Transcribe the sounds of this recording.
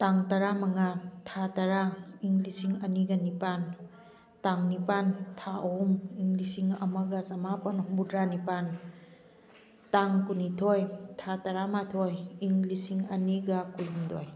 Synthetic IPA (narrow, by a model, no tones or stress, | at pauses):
taŋtɐɾamɐŋatʰatɐɾaiŋlisiŋɐniɡɐnipan | taŋnipantʰaʔɐhumiŋɡlisiŋɐmɐɡɐzɐmapɐnhumbudɾanipan | taŋkunitʰojtʰatɐɾamatʰojiŋlisiŋɐniɡɐkulumdo̰j